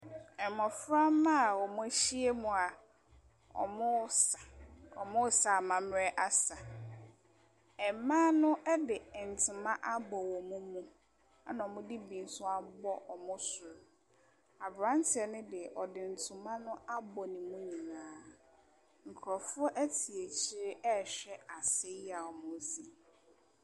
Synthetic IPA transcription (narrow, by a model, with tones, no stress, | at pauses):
ɛ˨mɔ̃˨fɾa˦mã˦˨wɔ˨mʊ̃˦æ˦ɕi˦e˦mũ˨a˨ | ɔ̰˨mʊ̃˦sa˨ɔ̰˨mʊ̃˦sa˨mã˨m˦ɾɛ˦ʔa˦sa˨ | ɛ˨mã˦nʊ̃˦ʔɛ˦dɪ˨n̩˨tʰɪ˨mã˦ʔa˦bɔ˨wɔ˨mũ˦mũ˦ | a˦nã˨ɔ˨mʊ̃˦dɪ˦bĩ˨n˦sʊ˦a˦bɔ˦ʔɔ˨mʊ̃˦sʊ˨ɾʊ˨ | a˨bɾã˦n˦tʰɪ˨ɛ˨nʊ̃˦dɪ˨ʔɔ˨dɪ˨n̩˨tʰʊ̃˨mã˦nʊ̃˦a˦bɔ˨nĩ˨mũ˦ɲĩ˨nãː˨˦ | ŋ̩˨kʰɾɔ˨fʊ˦ɔ˦ʔæ˦tʰi˨e˨t͡ɕʰɪ˦ɾɪ˦ɛ˦˨ɕᶣɛ˦a˨se˦a˨ɔ˨mʊ̃˦si˦